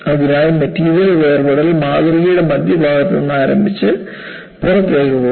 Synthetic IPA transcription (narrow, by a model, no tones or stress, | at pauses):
ɐʋiɾaːjɐmɐtːiːɾjɐleʋeːrbɐɽɐlmaːðɐriɣɐjuɽe̞mɐd̪jɐbʱaːɡɐt̪ːɐenːaːɾɐmbʱit͡ɕːɨ | purɐt̪ːeːjɾuʋo